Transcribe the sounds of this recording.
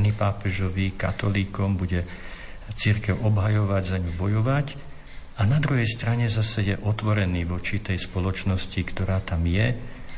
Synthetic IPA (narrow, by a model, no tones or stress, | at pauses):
nipaːpɛʒɔʋika̰t̪ɔliːkɔmbuɟɛ | t͡siɾkɛʊʔɔbɦajɔʋaɟzaɲubɔjɔʋac | anad̪ɾuɦɛjst̪ɾaɲɛzasɛjɛʔɔt̪ʋɔɾɛniːʋɔt͡ʃit̪ɛjspɔlɔt͡ʃnɔscikt̪ɔɾaːt̪amjɛ